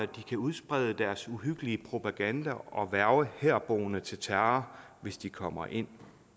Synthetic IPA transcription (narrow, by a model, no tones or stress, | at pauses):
æd̥ikʰæuð̞ˠsb̥ʁɛðˠəd̥æɐsuɦyɡ̥əliəpʰʁo̝pʰæɡ̥ænd̥æɒ̽ʋæɐʊəheɐ̰b̥o̝̰ːnət͡sʰe̝lt͡sʰæɐɐʋe̝sd̥ikʰɒ̽m̰ɐʔe̝n̰